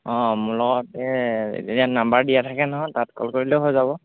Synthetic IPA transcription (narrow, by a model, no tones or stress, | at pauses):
ɔ̃mʊɹlɔɡɔtɛḛtetianambaɹdijatʰakɛnɔɦɔjtatkɔ̰lkoɹilɛʊɦojzaβɔ